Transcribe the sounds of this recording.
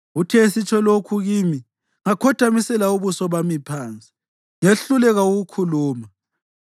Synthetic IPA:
utʰɛisit͡ʃʼʰɔlokʰuɣiːmi | ŋakʰɔd̥ʱamisɛlauβusɔβamipʰaːnt͡sʼi̥ | ŋeɬulɛɣauɣukʰuluːma

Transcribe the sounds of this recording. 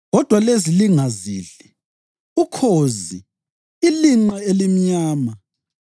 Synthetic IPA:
ɣɔd̥ʱwaleziliŋaziːɬɛ | ukʰozi | iliŋ͡ǀɛelim̩ɲaːma

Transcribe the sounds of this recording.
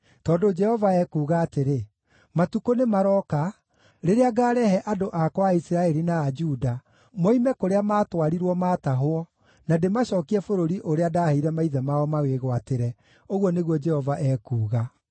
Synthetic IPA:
tɔːdod͡ʒɛhɔvaɛkuːɣaːteɾe | matukonemaɾɔka | ɾeɾeaɡaːɾɛhɛʔadoʔakwaisiɾaɛɾinaːd͡ʒuda | moimɛkoɾeamaːtwaɾiɾwɔmaːtaɦoɔ | nademaɕɔːkiɛfoɾoɾiʔoɾeadaːheiɾɛmaiðɛmaɔmaɣweɣwateɾɛ | oɣwɔneɣwɔd͡ʒɛhɔvaʔɛːkuːɣa

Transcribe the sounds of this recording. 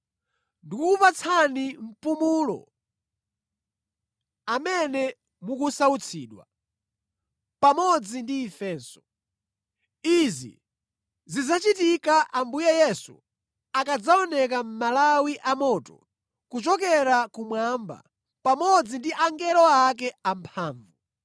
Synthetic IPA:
ndikuupat͡sʰanim̩pumuːlɔ̰ | amɛnɛ | mukusaut͡sʰḭːɗwa̰ | pamɔd͡zindiːfɛːnsɔ | izḭ | zizat͡ʃitikaʔambujɛjɛsṵ | akad͡zaɔnɛk̬am̩malawiʔamɔːtɔ̰ | kut͡ʃɔk̬ɛɾakumwamba̰ | pamɔd͡zindiʔaŋɡɛlɔak̬ɛampʰaːɱvu

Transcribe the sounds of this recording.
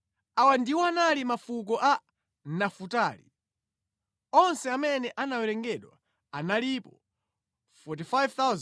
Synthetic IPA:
awandiwɔanalimafuk̬ɔʔa | nafutaːlḭ | ɔnsɛamɛnɛʔanawɛɾɛŋɡɛɗwa̰ | analipɔ | fɔt̬ifajvt̪awz

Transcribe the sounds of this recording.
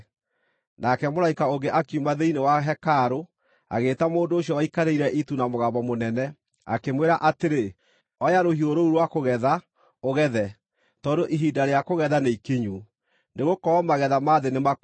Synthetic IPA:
nakɛmoɾaikaoɡeʔakiumaðeinewaɦɛkaːɾo | a̰ɣeːtamoːndoːɕjɔwaikaɾeiɾɛʔitunamoɣabɔmonɛnɛ | a̰kemweɾaʔateɾe | ɔjaɾohioɾouɾwakoɣɛða | oɣɛðɛ | tɔdoʔiɦidaɾeakoɣɛðaneikiɲu | neɣokɔɔmaɣɛðamaðenema

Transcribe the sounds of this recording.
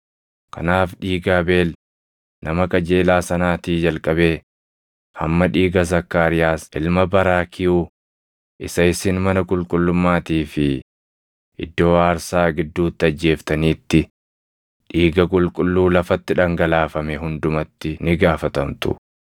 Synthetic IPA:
kʰɐnaːfᶑiːɡaːbe̞ːl | nʔɐmɐkʼɐd͡ʒe̞ːlaːsɐnaːt̪iːd͡ʒɐlkʼɐbe̞ː | hɐmːɐᶑiːɡɐzɐkːaːɾɪjaːsʔɪlmɐbɐɾaːkʰɪjuː | ʔɪsɐɪsɪnmɐnɐkʼʊlkʼʊlːʊmːaːt̪iːfɪ | ʔɪ̰d̪ːo̞ːaːɾsaːɡɪd̪ːuːt̪ːɪɐd͡ʒːe̞ːft̪ɐniːt̪ːɪ | ᶑiːɡɐkʼʊlkʼʊlːuːlɐfɐt̪ːɪᶑɐŋɡɐlaːfɐmɛɦʊnd̪ʊmɐt̪ːɪnɪɡaːfɐt̪ɐmt̪ʊ̰

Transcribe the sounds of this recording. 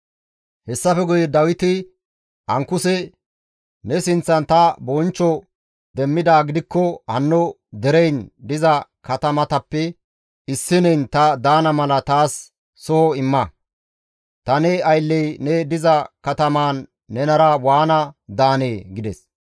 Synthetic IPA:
hɛsːɐfɛɡʊjɛd̪ɐwɪt̪ɪ | ʔɐŋkːʊsɛ | nɛsɪnt͡sːɐnt̪ɐbɔnt͡ʃːɔ | d̪ɛmːɪd̪aːɡɪd̪ɪkːɔhɐnːɔ | d̪ɛɾɛjnd̪ɪzɐkɐt̪ɐmɐt̪ɐpːɛ | ɪsːɪnɛjnt̪ɐd̪aːnɐmɐlɐt̪aːsː | ɔhɔɪmːɐ | t̪ɐnɛɐjlːɛjnɛd̪ɪzɐkɐt̪ɐmaːnː | ɛnɐɾɐwaːnɐd̪aːneːɡɪd̪ɛs

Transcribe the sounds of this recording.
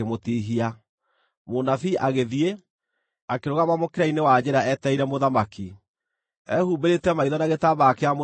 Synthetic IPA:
emotiɦia | monafiʔaɣeðie | akeɾoɣamamokeɾainewad͡ʑeɾaɛtɛiɾɛmoðamaki | ɛhuːbeɾetɛmaiðɔnaɣetaβakeamo

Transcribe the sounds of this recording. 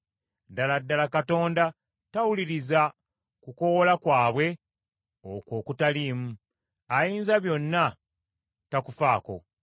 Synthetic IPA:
daladːalakato̞ːnda | tawuliɾiza | kuko̞wolakwaːβwe̞ | oko̞ːkutaliːmu | ajiːnzaβjo̞nːa | takufaːko̞̰

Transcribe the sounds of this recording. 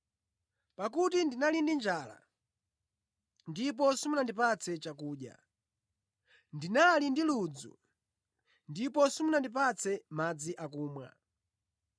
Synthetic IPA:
pakutindinalindind͡ʒaːla̰ | ndip̬ɔsumunandipat͡sʰɛt͡ʃakuːɗja̰ | ndinalindilud͡zṵ | ndipɔsumunandip̬at͡sɛmad͡ziʔakuːmwa̰

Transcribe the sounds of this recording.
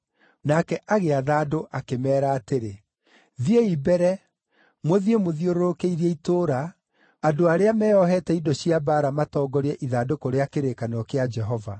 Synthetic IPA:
nakɛʔaɣeaðaːdoʔakemɛːɾaːteɾe | ðieibɛɾɛ | moðiemoðioɾoɾokeiɾiɛitoːɾa | adoaɾeamɛːɔɦɛtɛidɔɕiabaɾamatɔːɡɔɾɛʔiðadokoɾeakeɾekanɔkead͡ʒɛɦɔva

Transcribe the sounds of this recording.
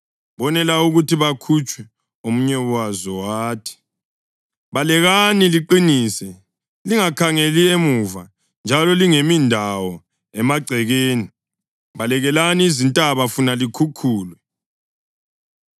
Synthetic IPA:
βɔnɛlauɣutiβakʰut͡ʃʼwɛ | omuɲɛwazɔwaːtʰi̥ | βalɛɣaniliǃiniːsɛ | liŋakʰaŋeliemuva | nd͡ʒʱalɔliŋemindʱawɔ | ɛmaɡ͡ǀʱɛɣeːni | βalɛɣɛlaniːzintʼaβafunalikʰukʰuːlwɛ

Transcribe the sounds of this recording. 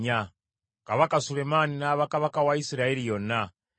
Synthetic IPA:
ɲa | kaβakasulemaninaːβakaβakawaisiɾaelijona

